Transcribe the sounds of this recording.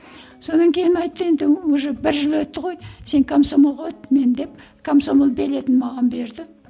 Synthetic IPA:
so̞nɑŋkʲʰejnɑjt̪ːəe̞nd̪ɪwɵʒəbɪɾʒɪlˠwɵt̪ːəʁo̞jse̞ŋkʰomsomolˠʁɑwøt̪ːme̞nd̪e̞p̚ | kʰomso̞molˠbe̞le̞t̪ɪnmɑʁɑnbe̞ɾd̪ɪ

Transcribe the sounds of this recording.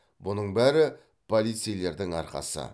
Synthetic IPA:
bʊnəɴbæɾɪ | pʰo̞lʲˠijt̪sɨjle̞ɾd̪ɪŋɑ̰ɾqɑ̰sə̰

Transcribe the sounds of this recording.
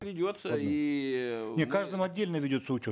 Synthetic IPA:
vʲɪdʲot̪səi | nʲekaʐd̪ɨmɐdʲːelʲnəvʲɪdʲo̞t̪səʊt͡ɕo

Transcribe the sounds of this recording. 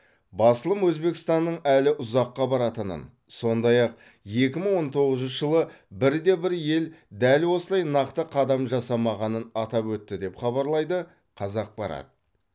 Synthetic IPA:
bɑsəlˠəmwɵzbe̞kʲɪ̥st̪ɑnːəɴælɪʔʊzɑqːɑbɑɾɑt̪ənə̰n | so̞nd̪ɑjɑq̚ | je̞k̬ʲɪməɴwo̞nt̪ʰo̞ʁəzənʃʒəlˠə | bɪɾd̪e̞bɪɾje̞ld̪ælwo̞səlˠɑjnɑqt̪əqʰɑd̪ɑmʒɑsɑmɑʁɑnənɑt̪ɑpwɵt̪ːɪd̪e̞pχɑβɑɾlˠɑjd̪ə | qʰɑzɑq̚bɑɾɑ̰t̪ə

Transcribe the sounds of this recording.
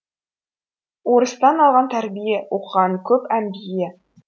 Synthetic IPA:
uɾɤ̆st̪ɑnɑlˠʁɑnt̪æɾbijæʔuqɤʁɑŋkɵpæmbijæ

